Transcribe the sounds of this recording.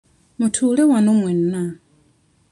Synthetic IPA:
mutʰuːlewanomwenːa

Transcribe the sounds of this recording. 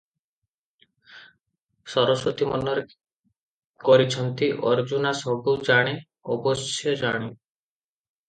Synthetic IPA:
sɔɾɔsot̪imɔnːɔɾe | kɔɾit͡ʃʰɔnt̪iʔɔɾd͡ʒunasɔbud͡ʒaɽ̃e | ɔbɔsjɔd͡ʒaɽ̃i

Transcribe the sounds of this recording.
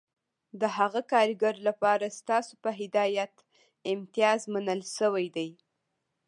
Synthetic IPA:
d̪əɦaɣakɑɾɡaɾlapɑɾast̪ɑsopəɦɪd̪ɑjat̪ | ɪmt̪ijɑzmanəlʃəwajd̪aj

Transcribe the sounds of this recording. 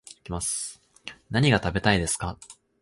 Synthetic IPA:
ikʲimasɨ̥ | naɲ̟iɡat̪abe̞t̪aid̪e̞sɨ̥ka

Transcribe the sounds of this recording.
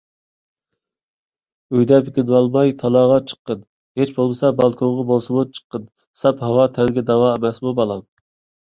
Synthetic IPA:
øjd̪ɛpʰikʲinwɑlˠmɑjt̪ʰɑlˠɑːʁɑt͡ʃʰə̥qːən | het͡ʃbolˠmɨsɑbɑlˠkʰoŋʁɑbolˠsɨmut͡ʃʰə̥qːən | sɑphɑwɑt̪ʰɛlɪɡʲɛd̪ɑwɑemɛsmubɑlˠɑm

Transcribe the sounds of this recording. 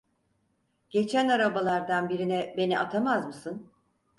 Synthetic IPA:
ɟ̥e̞t͡ʃʰænaɾabalˠaɾd̪anbiɾinɛbe̞niʔat̪ʰamazmɯsɯn

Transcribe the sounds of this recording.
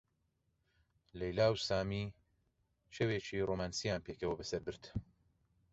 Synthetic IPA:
lɛjlaːwsaːmi | ʃeweːt͡ʃiroːmaːnsijaːnpekɐwɐbɐsɐɾbɨɾt̪

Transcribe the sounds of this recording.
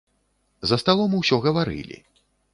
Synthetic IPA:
zɐst̪alˠɔmɨwsʲɔɣɐvaɾɨ̰lʲḭ

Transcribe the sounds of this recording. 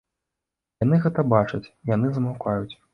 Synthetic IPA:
jan̪ɨɣɛt̪ɐbat͡ʂɐt͡sʲjanɨzɐmawkʰajut͡sʲ

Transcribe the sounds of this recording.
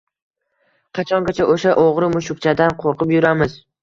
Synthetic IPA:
qʰɑt͡ʃʰɒŋɡʲat͡ʃʰaʔoʃaʔoʁɾɪmʊʃʊk̚t͡ʃʰad̪anqʰoɾqɨpjʊɾamɪz

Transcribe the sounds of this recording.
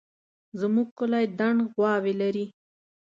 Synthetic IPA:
zəmuɡ̚kʊlajd̪aɳɖɣwɑwelaɾi

